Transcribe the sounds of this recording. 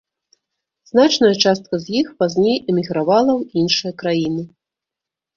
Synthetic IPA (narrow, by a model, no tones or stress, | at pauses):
znat͡ʂnɐjɐt͡ʂast̪̚kɐzʲjixpazʲnʲejɛmʲiɣɾavalˠɐwinʂɨjɐkɾajinɨ